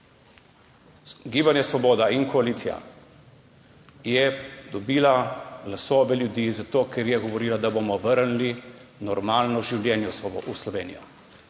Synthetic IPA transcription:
ɡiːbanjɛsʋɔboːd̪ainkɔaliːt̪sija̰ | jɛd̪ɔbiːlaɡlasoːʋɛljud̪iːzat̪oːkʰɛɾjɛɡɔʋɔɾiːlad̪abomɔʋəɾnlinɔɾmaːlnɔʒiwljɛːnjɔuslɔʋeːnḭjɔ

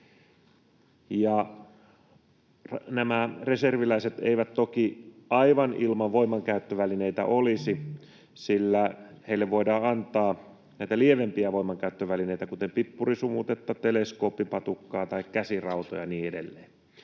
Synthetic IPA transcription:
jɑ | næmære̞serʋilæiset̪ḛiʋæt̪t̪okiɑiʋɑnilmɑʋʋoimːˑɑŋkæyt̪ːøʋælineit̪æ̰ʔolisi | silːæheilːeʋʋoidɑːɑnt̪ɑː | næit̪ælieʋempiæʋo̞imːˑɑŋkæyt̪ːøʋælineit̪ækut̪empipːurisumut̪et̪ːɑt̪eleskoːpːipɑt̪ukːɑːt̪ɑikkæsirɑut̪ojɑniːedelːeː

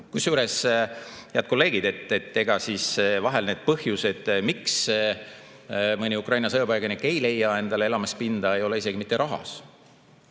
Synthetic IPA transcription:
kusːjuːɾe̞s | heæt̪̚ko̞lːe̞ːɡ̥id̪̥e̞t̪ːˑet̪ːe̞ɡɑsisvɑɦelne̞ːd̪̥̚pɤhjused̪̥miks | mɤnʲiukˑrɑjnɑsɤjobɑjɡɑniekːˑe̞jle̞jːɑe̞nd̪̥ɑlee̞lɑmespind̪̥ɑe̞jo̞le̞is̬e̞ɡimit̪ːˑeɾɑɦɑ̰s

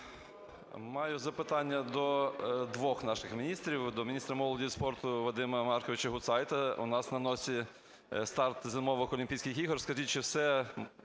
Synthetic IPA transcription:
mɑjʊzɐpɪt̪ɑnʲːɐd̪ɔd̪ʋɔxnɑʃɪxmʲɪnʲist̪ɾʲiwd̪ɔmʲɪnʲist̪ɾɐmɔlˠɔdʲijspɔrt̪ʊʋɐd̪ɪmɐmɑrkɔʋʲɪt͡ʃɐɦʊt̪sɑjt̪ɐṵʊ̰nɑsnɐnɔsʲi | st̪ɑrt̪zʲɪmɔʋɔkɔlʲɪmʲpʲijsʲkɪjxiɦɔrskɐʒitʲt͡ʃɔwsɛ

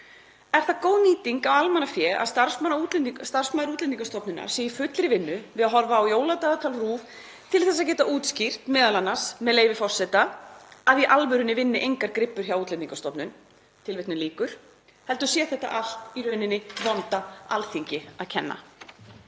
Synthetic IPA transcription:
ɛɾ̥θakoːwniːt̪iŋkawalmanafjɛːa̰ðst̪aɾ̥smanːaut̪lɛst̪ar̥smaðɾut̪lɛniŋkast̪ɔpnʏnːa̰ɾ̥sɛːjifʏt̪lɾɪvɪnːʏvɪðaɦɔɾvaːwjoːwlat̪aːðat̪ʰalruːv | t̪ʰɪlθɛs̬aðc̬ɛːt̪aʔuːt̪scir̥t̪mɛːðalanːḁsmɛðleːjvɪfɔr̥sɛt̪aaðiʔalvʏɾʏnɪvɪnːɪʔejŋkaɾkɾɪpːʏɾ̥çawuːt̪lɛniŋkast̪ɔpnʏn | t̪ʰɪlvɪht̪nʏmliːkʏɾ̥ | hɛlt̪ʏ̥sjɛːθɛht̪a̰ʔal̥t̪irœɥnɪnːɪvɔnt̪aalθiɲcɪaðcʰɛnːa̰

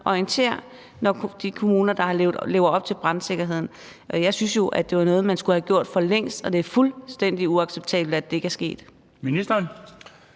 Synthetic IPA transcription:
ʔɒiənt͡sʰe̝̰ɐ̰ | nɒd̥ikʰo̝muːnɐd̥ɑ̈hɑ̈ʊle̝ːʊɒ̽b̥̚t͡sʰe̝lb̥ʁɑnse̝ɡ̥ɐɦe̝ð̞̰ˠn̩ | jɑ̈ɪsynsjo̝ʔæd̥e̝ʋɑ̈nɔ̽ːð̞̩ˠmænsɡ̥uhæɡ̥jo̝ɐ̰d̥fɒ̽leŋ̰sd̥ɒ̽d̥e̝æɐfulsd̥en̰d̥iuɑ̈ɡ̥seb̥̚t͡sʰɛ̰ːbl̩æd̥ːe̝eɡ̥æɐsɡ̥e̝̰ːd̥ | minisd̥ɐn

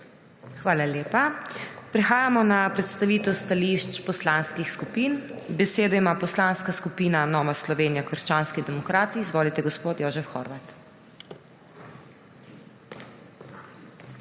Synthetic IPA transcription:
xʋaːlaljeːpapɾɛxaːjamɔnapɾɛt̪st̪aʋiːt̪ɔst̪aliʃt͡ʃpɔslanskixskupiːnbɛseːd̪ɔimaːpɔslanskaskupiːnanɔːʋaslɔʋeːnijakʋəɾʃt͡ʃanskid̪ɛmɔkɾaːt̪iːzʋoːlit̪ɛɡɔspoːt̪joːʒɛfxɔ̰ɾʋat̪

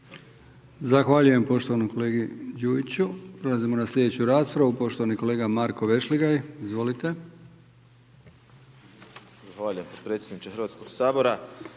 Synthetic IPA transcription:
zaxʋaːʎuje̞mpo̞ʃt̪o̞ʋanomkole̞ːɡid͡ʒuːit͡ɕupɾolazimonaslʲʎʲe̞d̪et͡ɕuɾaːspɾaʋupo̞ʃt̪o̞ʋaniko̞leːɡamaɾko̞ʋe̞ʃliɡajizʋo̞lit̪e̞ | zaxʋaːʎujempot̪pɾet̪sjt̪ːed̪nit͡ʃexɾʋaːt̪skoɡsaːbo̞ɾa

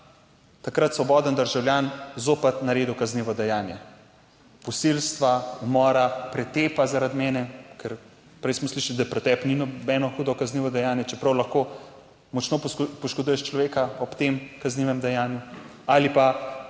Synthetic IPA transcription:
t̪akɾat̪sʋɔbɔːd̪ənd̪əɾʒawljaːnzoːpɐt̪naɾeːd̪uwkazniʋɔd̪ɛjaːnjɛ | pɔsilst̪ʋaumɔːɾapɾɛt̪eːpazaɾad̪mɛːnɛkʰɛɾ | pɾɛjsmɔsliʃalid̪apɾɛt̪ɛpninɔbɛnɔxud̪ɔkazniːʋɔd̪ɛjaːnjɛt͡ʃɛpɾɐwlaxko | mɔt͡ʃnopɔʃkod̪ujɛʃt͡ʃlɔʋeːkaɔpt̪emkazniʋɛmd̪ɛjaːnju | alipa

